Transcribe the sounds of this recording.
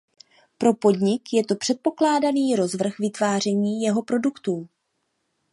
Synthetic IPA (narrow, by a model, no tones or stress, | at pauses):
pɾo̞po̞dɲɪkjɛt̪o̞pr̝̥ɛt̪̚po̞klaːdaniːɾo̞zvr̩xvɪt̪vaːr̝ɛɲiːjɛɦo̞pɾo̞dukt̪uː